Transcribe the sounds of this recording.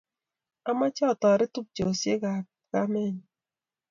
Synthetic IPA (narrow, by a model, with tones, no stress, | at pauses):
a˦ma˦t͡ʃɔ˦˨tɔ˨ɾɪ˦tʊ˦p̚d͡ʒo˨sje˦ɡa˨ | ka˦mɛ˦ɲ˨